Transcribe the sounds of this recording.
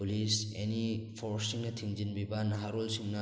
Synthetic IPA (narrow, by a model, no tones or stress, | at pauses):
ulisenipʰoɾsiŋnɐtʰiŋd͡ʒinbibɐnɐɦaɾolsiŋnɐ